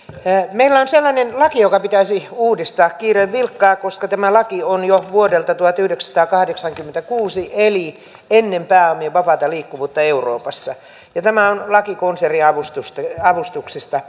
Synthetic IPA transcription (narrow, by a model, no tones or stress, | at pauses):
meilːæonselːɑnenlɑkijokɑpit̪æisiuːdist̪ɑːkkiːreʋʋilkːɑːkoskɑt̪æmælɑkionjoʋuodelt̪ɑt̪uɑt̪yhdeksɑ̥t̪ɑːkɑhdeksɑŋkymːent̪ækuːsiʔeli | enːempæːomieʋɑpɑt̪ɑliːkːuʋuːt̪ːɑeuro̰ːpɑsːɑ | jɑt̪æmæonlɑkikonseriɑʋust̪ust̪ɑɑʋust̪uksist̪ɑ